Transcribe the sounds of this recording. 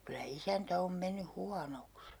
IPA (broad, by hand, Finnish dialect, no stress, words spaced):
kylæ isæntæ om menːy huɑnoks